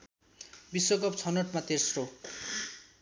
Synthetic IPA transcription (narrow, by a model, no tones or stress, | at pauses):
bisoɡɔpt͡sʰʌnoʈmat̪eɾsrɾo